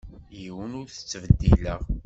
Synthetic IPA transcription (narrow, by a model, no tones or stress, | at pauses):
jiwənʊɾθə̥t͡sːvəd̪ːiləʁ